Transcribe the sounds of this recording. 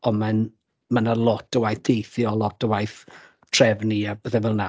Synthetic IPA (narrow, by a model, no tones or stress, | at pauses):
ɔman | manalˠɔtəwajθdʰejθjɔlˠɔtʰəwajθ | tʰrɛvniab̥əθɛvɛlˠna